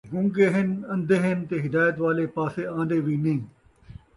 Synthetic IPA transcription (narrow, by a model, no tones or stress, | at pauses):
ɡʊ̃ŋɡeːɦɪnɐ̃nd̪eːɦɪnt̪eːɦɪd̪aːjət̪ʋaːleːpaːseːãːnd̪eːʋiːnĩː